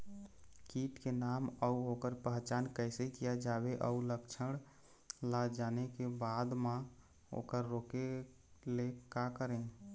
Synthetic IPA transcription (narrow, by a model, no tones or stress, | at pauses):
kiʈkenaməuokəɾpəɦt͡ʃankəjsekijad͡ʒabeʔə̰uləkt͡ʃʰəɽ | lad͡ʒanekebad̪mã | o̰kəɾːoke | lekakəɾẽ